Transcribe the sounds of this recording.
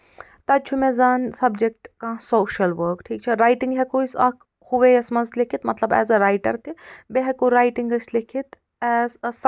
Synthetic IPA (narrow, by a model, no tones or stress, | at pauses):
t̪ɐt͡ʃʰumezaːnsɐbd͡ʒek̚ʈkãsoːʃɐlʋəːɾkʈʰiːk̚t͡ʃʰiɾaːjʈĩŋɡɦɛkoisɐkʰ | huʋejɐsmɐzlekʰit̪mɐt̪lɐbɛ̰ːzɐɾaːjʈɐɾt̪ibeɦɛkoɾaːjʈiŋɡɐslekʰit̪ | ɛːss